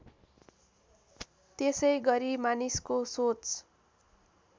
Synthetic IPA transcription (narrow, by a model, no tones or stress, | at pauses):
t̪esʌjɡʌɾimaniskosot͡s